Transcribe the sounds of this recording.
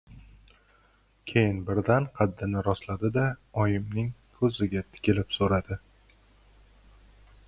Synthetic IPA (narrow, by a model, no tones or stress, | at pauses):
kʲʰe̞jɪnbɪɾd̪anqʰɑd̪ːɪnɪɾɒslad̪ɪd̪aɒjɪmnɪŋkʰɵzɪɡʲat̪ʰɪ̥kʲɪlɪpsoɾad̪ɪ